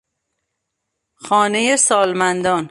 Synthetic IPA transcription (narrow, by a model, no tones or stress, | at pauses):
xɒːnejesɒːlmænd̪ɒːn